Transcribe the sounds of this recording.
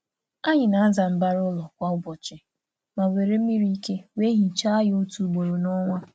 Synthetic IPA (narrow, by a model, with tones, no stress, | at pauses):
a˦ɲɪ˨na˨a˦za˨m̩˨ba˦ɾʊ˦lɔ˨kʷa˦ʊ˦bɔ˨t͡ʃɪ˨ | ma˨we˨ɾe˦i˦ɾi˦i˦ke˦we˦ɦi˨t͡ʃa˦a˦jo˦tu˨ɡ͡bo˨ɾo˨nɔ˦ŋʷa˦